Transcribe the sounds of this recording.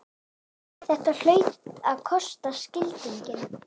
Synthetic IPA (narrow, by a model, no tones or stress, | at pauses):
θɛht̪aɾl̥œːɥt̪aðkʰɔst̪ascɪlt̪iɲcɪn